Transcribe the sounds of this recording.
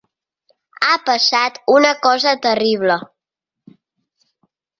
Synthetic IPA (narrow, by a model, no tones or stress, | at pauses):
apəsat̪unəkɔzət̪əriβ̞lə